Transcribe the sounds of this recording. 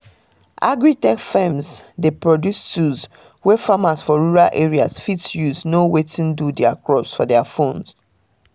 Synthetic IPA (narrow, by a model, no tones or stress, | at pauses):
ʔa̰ɡɹitɛkfɛ̃mzdepɹɔdjustuz | wɛfamasfɔɹuɹalʔeɹiasfitsjuznowetĩndudɛakɹɔpsfɔdɛafõns